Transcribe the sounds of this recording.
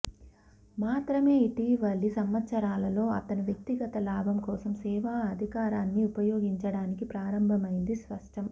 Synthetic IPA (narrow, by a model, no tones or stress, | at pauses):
maːt̪ɾɐme̞ːiʈiːʋɐɭːisɐmʋɐt̪sɐɾaːlɐlo̞ːɐ̰t̪ɐnuʋjɐk̚t̪iɡɐt̪ɐlaːbʱɐmkɔːsɐmsɛːʋaːɐd̪ʱikaːɾaːnːiupɐjo̞ːɡiɲt͡ʃɐɽaːnikipɾaːɾɐmbʱɐmɐjind̪isʋɐʂʈʰɐm